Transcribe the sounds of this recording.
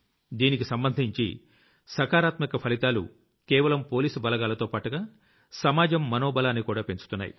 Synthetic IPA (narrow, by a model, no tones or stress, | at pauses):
d̪iːnikisɐmbɐnd̪ʱiɲt͡ʃḭ | sɐkaːɾaːt̪mikɐpʰɐlit̪aːlṵ | kɛːʋɐlɐmpo̞ːliːsubɐlɐɡaːlɐt̪oːpaːʈuɡaː | sɐmaːd͡ʒɐmːɐnoːbɐlaːnːikuːɽaːpe̞nt͡ʃu̥t̪unːa̰ːjḭ